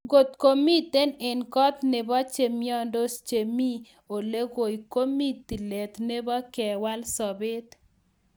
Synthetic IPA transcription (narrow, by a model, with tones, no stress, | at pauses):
ɡo˨t̪ko˦mi˦t̪e˦ne˨nkɔ˦t̪ne˨bɔ˦t͡ʃe˨miɔ˦ndo˦st͡ʃe˨mi˦ | o˨le˦ɡo˨jko˦mi˦t̪i˨le˨t̪ne˦bɔ˦kɛ˨wa˦lsɔ˨bɪ˦t̪